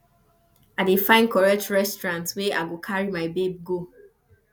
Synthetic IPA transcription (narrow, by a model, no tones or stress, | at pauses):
adefãɪ̃nkʰɔɹɛtɹɛstɹãntsweaɡokʰaɹimaɪbeb̚ɡo